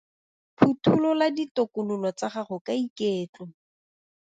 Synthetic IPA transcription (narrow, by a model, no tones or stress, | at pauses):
pʰutʰulɔladitokʊnʊlɔt͡saχaχʊkaikeːt͡ɬʼʊ